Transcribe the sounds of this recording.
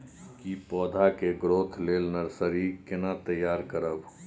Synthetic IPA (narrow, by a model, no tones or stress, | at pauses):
kipɔːd̪ʱakeɡɾoːt̪ʰleːlnəɾsəɾikɪnat̪əjːaːɾkəɾəb